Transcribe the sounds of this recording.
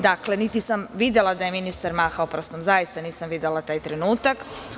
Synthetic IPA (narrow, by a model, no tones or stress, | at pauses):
d̪akle̞nit̪isamʋid̪elˠad̪ajeminist̪aɾmaːxaopɾost̪omzajist̪aniːsamʋid̪elˠat̪aːjt̪ɾenuːt̪ak